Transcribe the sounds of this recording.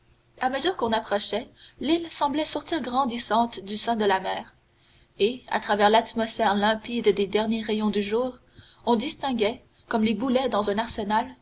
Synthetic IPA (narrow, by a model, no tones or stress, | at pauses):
aməzyːʁkɔ̃napχɔʃɛlilsɑ̃blɛsɔʁt̪iʁɡʁɑ̃d̪isɑ̃t̪d̪ysɛ̃d̪əlamɛːʁ | ea̰t̪χavɛʁlat̪mɔsfɛʁlɛ̃pid̪ːed̪ɛʁnjeʁejɔ̃d̪yʒuːʁ | ɔ̃d̪ist̪ɛ̃ɡʲɛ | kɔmlebulɛd̪ɑ̃zɛ̃naʁsənal